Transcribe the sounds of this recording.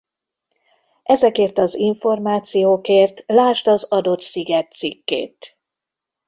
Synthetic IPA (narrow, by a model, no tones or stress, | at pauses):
ʔɛzɛkeːrt̪ɒziɱfo̞rmaːt̪sijoːkeːrt̪laːʃt̪ɒzɒd̪o̞t̪siɡɛt̪sikːḛːt̪